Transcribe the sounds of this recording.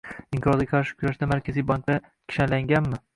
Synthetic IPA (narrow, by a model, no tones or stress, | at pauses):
ɪmqʰɾɒt̪ʲakʰɑɾʃɪ̥kʰʲʊɾaʃd̪amaɾkʲʰazijbaŋk̚d̪a | kʲʰɪ̥ʃanlaŋɡʲanmɪ